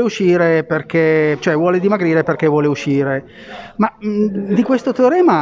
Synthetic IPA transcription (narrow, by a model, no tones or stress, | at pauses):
euʃiːɾeperk̟et͡ʃoɛvwɔːled̪imaɡɾiːɾeperk̟evwɔːleuʃːiːɾe | mad̪ikwest̪ot̪eɾɛːma